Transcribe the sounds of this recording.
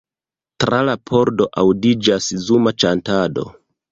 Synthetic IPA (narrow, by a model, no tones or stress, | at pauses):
tɾʔalapʰo̞ɾdo̞ʔawdid͡ʒaszumat͡ʃantado̞̰